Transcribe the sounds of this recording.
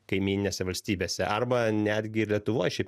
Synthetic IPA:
kɐɪmʲiːnʲɪnʲeːsʲɛʋɐlʲsʲt̪ʲiːbʲeːsʲɛʔɐrbɐnʲæːd̪ʲɡʲɪɪɾlʲiɛt̪ʊʋoːjʃʲɛɪp

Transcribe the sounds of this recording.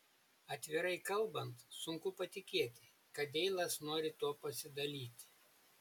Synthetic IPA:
ɐt̪ʲʋʲɪɾɐɪkɐlˠˑbɐnt̪sʊŋkʊpɐt̪ʲɪkʲeːt̪ʲɪ | kɐt̪ʲɛɪlˠɐsnoːɾʲɪt̪oɔpɐsʲɪd̪ɐlʲiːt̪ʲɪ

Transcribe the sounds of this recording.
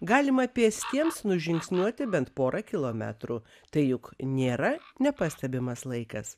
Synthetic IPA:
ɡɑːlʲɪmɐpʲiɛsʲt̪ʲiɛmsnʊʒʲɪŋksʲnʲuɔt̪ʲɪbʲɛnt̪poːɾʔɑkʲɪlˠoːmʲæ̰ːt̪ɾu | t̪ɐɪjʊknʲeːɾɐnʲɛpɐsʲt̪ʲɛbʲɪmɐslˠɐɪkɐs

